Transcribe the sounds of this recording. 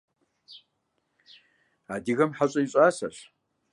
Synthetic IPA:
adiɣɐmħaɕʼɐiɕʼaːsɐ̰ɕ

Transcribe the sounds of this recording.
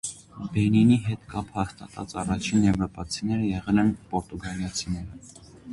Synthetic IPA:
bɛniniɦɛt̪kɑphɑst̪ɑ̰t̪ʰɑ̰t͡sɑrɑt͡ʃʰinjɛvɾɔpɑt͡sʰinɛɾəjɛʁɛlɛnpɔɾt̪uɡɑljɑt͡sʰinɛɾə

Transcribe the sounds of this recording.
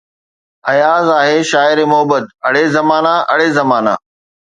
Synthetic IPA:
ɐjaːzaːɦeːʃaːɪɾemʊɦəbət̪ɐɽ̤ezɐmaːnaʔɐɽ̤ezɐmaːna̰ː

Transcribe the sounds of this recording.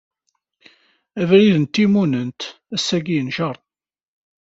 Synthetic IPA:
ævɾiðənt̪ːimunənt̪ | æsːæɡijənʃɑɾˤt̪

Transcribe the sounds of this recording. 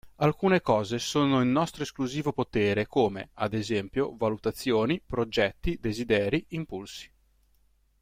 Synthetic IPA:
alkuːnekɔːzesoːnoilnɔst̪ɾoeskluziːvopot̪eːɾekoːmḛad̪ezɛmpjovalut̪at̪sːjoːnipɾod͡ʒɛt̪ːid̪ezid̪ɛːɾiimpulsi̥

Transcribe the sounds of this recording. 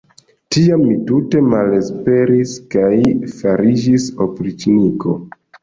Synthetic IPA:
tiamːitute̞male̞spe̞ɾiskajfaɾid͡ʒisopɾit͡ʃniko̞

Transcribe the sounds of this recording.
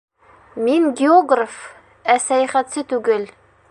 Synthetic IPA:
miŋɡʲɪoɡraf | æsæjæχæt̪sɘt̪ʉɡɘl

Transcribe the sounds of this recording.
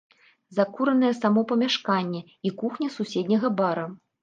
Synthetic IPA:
zakuɾɐnɨjɛsamɔpɐmʲaʂkanʲːɛ | ikuxnʲɐsusʲed̪ʲnʲɐɣɐbaɾɐ

